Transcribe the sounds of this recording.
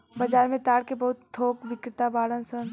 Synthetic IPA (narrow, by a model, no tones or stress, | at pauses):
bɐd͡ʒaːɾmẽt̪aːɽkebɐɦʊt̪ʰːoːkʋɪkɾɪt̪abaːɽə̃nsən